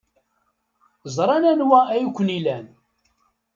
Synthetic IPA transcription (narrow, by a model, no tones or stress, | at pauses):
zˤɾˤɑnænwææjukʷːənilæn